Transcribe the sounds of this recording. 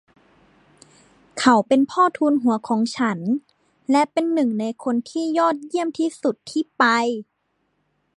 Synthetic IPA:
kʰa˨˩wpe˧npʰɔː˥˩t̪ʰuː˧nɦu˨˩˦ɐkʰɔː˩˦ŋt͡ɕʰa˦˥n | lɛ˦˥ʔpe˧nːɯ˨˩ŋna˧jkʰo˧nt̪ʰiː˥˩jɔː˥˩t̪̚ji˥˩əmt̪ʰiː˥˨su˨˩t̪ʰːiː˥˩pa˧j

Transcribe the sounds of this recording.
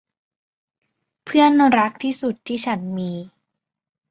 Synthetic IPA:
pʰɯ˥˩ənɾa˦˥k̚t̪ʰiː˥˩su˨˩t̪ʰːiː˥˩t͡ɕʰa˦˥nmiː˧

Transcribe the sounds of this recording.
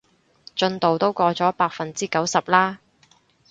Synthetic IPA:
t͡ʃɵ˧nt̪o˨wt̪o˥wkɔː˧t͡sɔː˨˥paː˧k̚fɐ˨nt͡siː˥kɐ˨˥wsɐ˨p̚laː˥

